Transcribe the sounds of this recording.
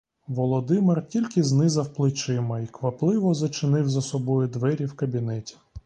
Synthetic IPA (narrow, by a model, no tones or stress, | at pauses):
ʋɔlˠɔd̪ɪmɪrtʲilʲkɪznɪzɐwplˠɪt͡ʃɪmɐikʋɐplˠɪʋɔzɐt͡ʃɪnɪwzɐsɔbɔjʊd̪ʋɛɾʲiwkɐbʲinɛtʲi̥